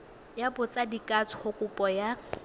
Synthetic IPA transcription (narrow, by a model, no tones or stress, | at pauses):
jabʊt͡sʼadikʼat͡sʰʊhʊkʼʊpʼɔja